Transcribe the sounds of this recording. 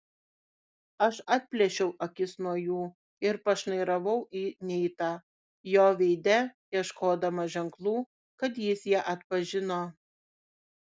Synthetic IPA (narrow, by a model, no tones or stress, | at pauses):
ɐʃɑːt̪̚ʲpʲlʲɛʃʲɛʊʔɐkʲɪsnuɔjuː | ɪɾpɐʃnɐɪɾɐʋɐʊʔiːnʲɛɪt̪ɑː | joːʋʲɛɪd̪ʲɛjiɛʃkoːd̪ɐmɐʒʲɛŋklˠuː | kɐt̪jɪsjiɛʔɐt̪pɐʒʲɪnoː